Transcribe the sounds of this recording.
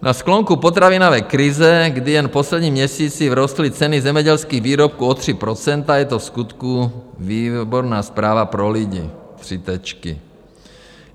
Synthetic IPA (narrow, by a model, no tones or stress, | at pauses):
nʔasklɔŋkupɔt̪ɾaʋinɔʋɛjkɾizɛɡd̪ijɛnpɔslɛd̪ɲiːmɲɛsiːt͡sivɾɔst̪lit͡sɛnizɛmɛɟɛlskiːɣʋiːɾɔp̚kuɔt̪r̝̥ipɾɔt͡sɛnt̪ajɛt̪ɔfskut̪kuʋiːbɔɾnaːspɾaːʋapɾɔliɟḭːt̪r̥it̪ɛt͡ʃkḭ